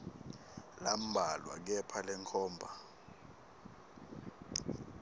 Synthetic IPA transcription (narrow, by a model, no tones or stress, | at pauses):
lam̩bʱalwa̰k̬ɛpʰalɛŋkʰɔːmbʱa